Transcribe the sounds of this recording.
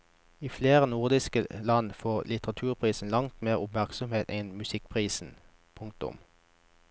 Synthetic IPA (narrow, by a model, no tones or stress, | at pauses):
iːfleːʁənʊʁd̪ɪskəlɑnfoːʁlɪt̪əʁɑt̪ʰʉːʁpʰʁiːsn̩lɑŋt̪meːʁʊpmæʁksɔmheːt̪ɛnmʉsɪk̚pʰʁiːsn̩ | pʰʊŋk̚t̪ʊ̰m